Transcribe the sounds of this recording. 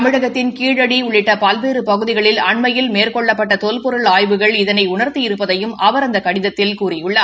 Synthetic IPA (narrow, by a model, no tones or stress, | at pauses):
mɪɻɐɣɐt̪ːɪnkiːɻɐɽiʊɭːɪʈːɐpɐlʋeːɾɯpɐɣɯðɪɣɐɭɪlɐɳmɐjɪlmeːrkɔɭːɐpːɐʈːɐt̪ɔlpɔɾɯɭaːjʋɯɣɐɭɪðɐnɐɪʊɳɐɾt̪ijɪɾɯpːɐðɐjɯmʔɐʋɐɾɐnd̪ɐkɐɽɪðɐt̪ːɪlkuːrɪjʊɭːɐ